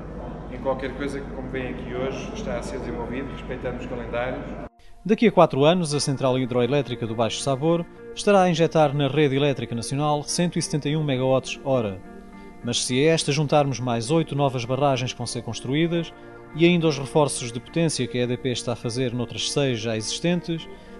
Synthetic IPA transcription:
ẽj̃kwalˠkɛɾkojzɐkɨkõmvɐ̃j̃ɐkioʒʃt̪aɐseɾd̪zẽvɔlˠviðuʁɨʃpɐjt̪ɐ̃nd̪uʃkɐlˠẽnd̪aɾjuʃ | d̪ɐkiɐkwat̪ɾuanuzɐsẽnt̪ɾalˠiðɾɔilˠɛt̪ɾikɐðuβajʃu̥saβoɾ | ʃt̪ɐɾaɐĩʒɛt̪aɾnɐʁeðilˠɛt̪ɾikɐnɐsiunalˠsẽnt̪wisɨ̥t̪ẽnt̪ɐjũmɛɣɐɔt̪ʃɔɾɐ | mɐʃsɨɛɛʃt̪ɐʒũnt̪aɾmuʒmajzojt̪unɔvɐʒβɐʁaʒɐ̃j̃ʃkvɐ̃w̃seɾkõʃt̪ɾuiðɐʃ | iɐĩnd̪ɐuʃʁɨfɔɾsuʒðɨpu̥t̪ẽsjɐkɛðepeʃt̪aɐfɐzeɾnowt̪ɾɐʃsɐjʒaiziʃt̪ẽnt̪ɨʃ

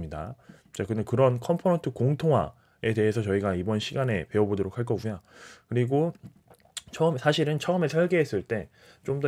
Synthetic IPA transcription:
ɲida̰ | t͡ɕakɯndekɯɾʌnkʰʌmpʰonʌntʰɯkoŋtʰoŋɦwa̰ | e̞te̞ɦesʰʌt͡ɕʌiɡaibʌnɕʰiɡane̞pe̞ʌbodoɾok̚ʰaɭk̬͈ʌɡuɲakɯɾiɡo | t͡ɕʰʌɯmsʰaɕʰiɾɯnt͡ɕʰʌɯme̞sʰʌɭɡe̞ɦe̞s͈ɯɭt͈e̞ | t͡ɕomdʌ

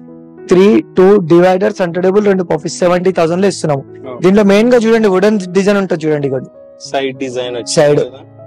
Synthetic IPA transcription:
t̪ʰɾiːʈuːɖiʋɐjɖɐɾsɐɳʈɐɖebulɾeɳɖupoːfisːɛʋɐɳʈiːt̪ʰɐwzɐɳɖloːest̪unːaːmu | d̪iːnʈloːme̞ːnɡaːd͡ʒuːɽɐɳɖiʋuɽɐnɖid͡ʒɐjnuɳʈaːd̪t͡ʃuːɽɐɳɖiɡɐɽu | sɐjɖisɐjɖ

